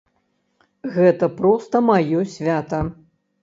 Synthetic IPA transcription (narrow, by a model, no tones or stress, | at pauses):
ɣɛt̪ɐpɾɔst̪ɐmajɔsʲvʲat̪ɐ